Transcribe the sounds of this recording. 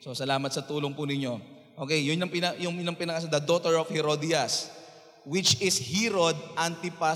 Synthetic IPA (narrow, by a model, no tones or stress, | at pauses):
so̞sɐlaːmɐt̪̚sɐt̪uːloŋpʊnɪɲːo̞ | ʔoːkɛjːʊnɲɐŋpɪnɐjʊŋnɐŋpɪnɐkɐs̬ad̪ɐd̪ot̪ɛɹofhɛɾod̪ijɐs | wɪt͡ʃɪshiɾod̪̚ʔant̪ɪpa